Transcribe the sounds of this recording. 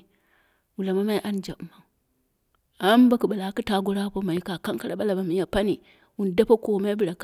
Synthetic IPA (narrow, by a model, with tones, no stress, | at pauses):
wu˨la˨ma˦ma˦i˦ʔa˦nd͡ʒa˨ma˦˨ŋ | a˦m˦ba˦ku˨ɓa˨la˨˦ki˦ta˦ɡo˦ɾa˦po˦ma˨i˦ka˨ka˦ŋka˦ɾa˨˦ɓa˦la˨ba˨mi˨˦ja˨pa˦ni˨ | wu˨n˨da˦pa˦ko˨ma˦i˦bi˨ɾa˨k